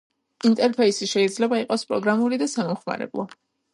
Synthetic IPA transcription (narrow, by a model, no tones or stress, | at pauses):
int̪ʼɛɾpʰɛisiʃɛid̪zlɛbaiqʼɔspʼɾɔɡɾamuɾid̪asamɔmχma̰ɾɛ̰blˠɔ